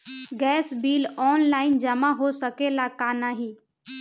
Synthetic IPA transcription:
ɡɛːsbiːlɔːnlaːɪnd͡ʒəmaɦosəkelakaːnaɦĩː

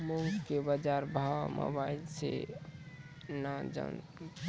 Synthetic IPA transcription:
muŋskebəd͡ʒaɾbʱawamʔo̰bailse | nad͡ʒə̰

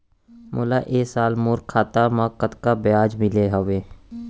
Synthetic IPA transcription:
mʔʊ̰laːʔeːsaːlmoːɾkʰːaːt̪amãːkət̪kabɪjaːd͡ʒmɪleːɦəʋeː

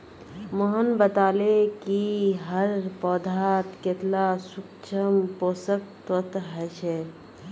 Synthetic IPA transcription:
moɦənbət̪aːlekiɦəɾpɔːd̪ʱaːt̪ket̪lasʊkt͡ʃʰəmpoːsəkt̪ɔt̪ɦɛʃʰeː

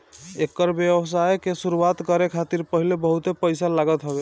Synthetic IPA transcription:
ekːəɾbjəbəs̬ajkesuɾuat̪kəɾekʰat̪iɾpəɦilebəɦut̪epəjsalaɡət̪ɦobe

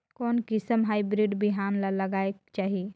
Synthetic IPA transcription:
kɔːnkɪsəmɦaibɾiɖbʱiɦamlaləɡaːekt͡ʃaːɦie

